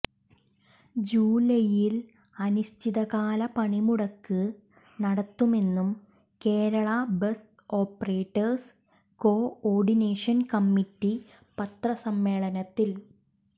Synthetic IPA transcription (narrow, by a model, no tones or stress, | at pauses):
d͡ʑuːlɐjil | ɐnuɕtʰiðɐɣaːlɐpɐɳimuɽɐkːɨ | nɐɽɐt̪ːume̞nːum | ke̞ːɾɐɭɐbest | o̞ːpːɐreːʈːɐrs | ko̞ːoːrɖine̞ːʂɐnkɐmːiʈːi | pɐt̪rɐsɐmːe̞ːɭɐnɐt̪ːil